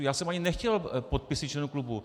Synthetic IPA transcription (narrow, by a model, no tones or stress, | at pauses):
jaːsɛmʔaɲɪnɛxcɛlpot̪̚pɪsɪt̪t͡ʃlɛnuklubu